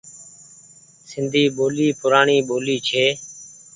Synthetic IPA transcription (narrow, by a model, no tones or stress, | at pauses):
sɪnd̪ʱiːɓoːliːpʊɾaːɳiːɓoːliːt͡ʃʰeː